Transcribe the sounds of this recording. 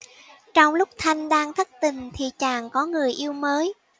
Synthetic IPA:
t͡ɕɔ˧wŋ͡mlʊ˦˥k͡p̚t̪ʰa˧jŋ̟ɗaː˧ŋt̪ʰə˦˥k̚t̪ï˨˩ŋ̟t̪ʰi˨˩t͡ɕaː˨˩ŋkɔ˨˦ŋɨ˨˩əjʔi˧əwməː˨˦j

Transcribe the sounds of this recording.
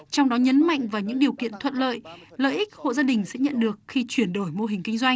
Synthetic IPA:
t͡ɕɔ˧wŋ͡mɗɔ˨˦ɲə˨˦nma̰˧˨jŋvaː˨˩wɲɨ̰˧˥ŋɗi˨˩əwkḭ˧ənt̪ʰwə̰˧˨n̚lə̰ː˧˨jlə̰ː˧˨jʔi˦˥k̚ho̰˧˨zaː˧ɗï˨˩ŋ̟sɛ̰˧˥ɲə̰˧˨nɗɨ˨˩ək̚xi˧t͡ɕwi˧˩ənɗo˧˩jmo˧ɦï˨˩ŋ̟kï˧ŋzwa˧jŋ

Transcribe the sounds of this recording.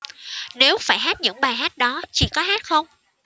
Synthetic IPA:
ne˨˦wfaː˧˩jɦaː˦˥t̚ɲɨ̰˧˥ŋɓaː˨˩jɦaː˦˥t̚ɗɔ˨˦t͡ɕi˧˩kɔ˨˦ɦaː˦˥t̚xə˧wŋ͡m

